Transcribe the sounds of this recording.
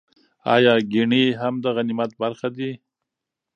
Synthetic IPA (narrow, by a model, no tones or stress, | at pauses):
ɑ̰jɑɡiɳiɦamd̪əɣanimat̪̚baɾxad̪i